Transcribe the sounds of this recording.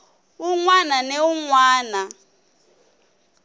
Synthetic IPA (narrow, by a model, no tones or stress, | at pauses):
uŋwananeuŋwaːna